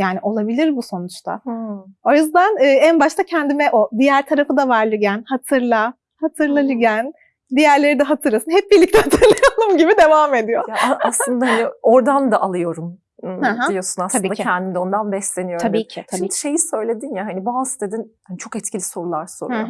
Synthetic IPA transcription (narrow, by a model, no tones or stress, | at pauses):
jaːniʔo̞lˠabilʲiɾbuso̞nut͡ʃt̪ʰa̰ho̞juzd̪ænɯːænbaʃt̪ʰacʰɛnd̪imɛʔod̪ijæɾt̪ʰaɾafɯd̪avaɾlʲˠyɟænhat̪ʰɯɾlˠa | hat̪ʰɯɾlˠalyɟæn | d̪ijæɾlʲe̞ɾid̪ɛɦat̪ʰɯɾlˠasɯnhɦɛp̚biɾlʲict̪ɛhat̪ʰɯɾlˠajanˠɯmɟibid̪e̞vaːme̞d̪ijojaaslˠɯnd̪ahanio̞ɾd̪and̪aʔalˠɯjo̞ɾumː | hãɦailijosunasabiːnd̪aɛnd̪ind̪ɛo̞nd̪anbɛslʲe̞nijot̪ʰabiːcʰit̪ʰabiːʃejisø̞jlʲe̞d̪injaɦanibuasd̪ed̪inhanit͡ʃʰo̞kɛt̪cʰilʲiso̞ɾulˠaɾso̰ɾa